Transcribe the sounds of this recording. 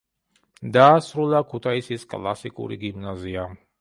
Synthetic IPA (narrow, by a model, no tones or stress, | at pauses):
d̪aːsɾulˠakʰut̪ʰaisiskʼlˠa̰sikʼṵɾḭɡimnazia